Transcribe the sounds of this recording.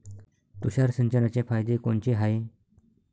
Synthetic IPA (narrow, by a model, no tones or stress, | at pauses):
t̪uɕaɾsənt͡ɕənat͡ɕefajd̪ekoɳt͡ɕeɦae